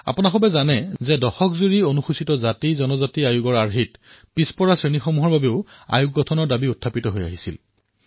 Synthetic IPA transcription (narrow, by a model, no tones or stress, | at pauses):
a̰punaxɔbɛzanɛzɛdɔxɔkzuɹionuxusitɔzatizɔnɔzatiajuɡɔɹaɹɦit | pispɔɹasɹenixomuɦɔɹbabɛʊa̰juɡɡɔtʰɔnɔɹdabiʊtʰːapitɔɦoja̰ɦisil